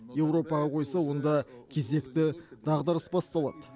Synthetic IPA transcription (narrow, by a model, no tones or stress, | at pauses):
je̞wɾo̞pɑʁɑqʰo̞jsɑwo̞nd̪ɑkʲʰe̞ze̞kt̪ɪd̪ɑʁd̪əɾəsbɑst̪ɑlˠɑ̰d̪ə